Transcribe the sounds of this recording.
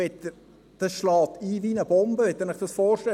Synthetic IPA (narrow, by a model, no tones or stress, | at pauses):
ɛt̪ːə | d̥ɑsʃlɑːt̪iːvinəb̥ɔmbəɛt̪ːɛnɪχd̥̪ɑsfɔːɾʃtɛ